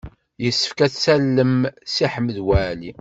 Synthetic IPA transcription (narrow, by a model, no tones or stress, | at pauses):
jəsːə̥fkæθsælːəmsiħəmːəðwæli